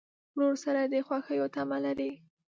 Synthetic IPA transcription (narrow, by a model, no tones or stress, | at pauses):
noɾsaɾad̪əxwaxəjot̪amalaɾi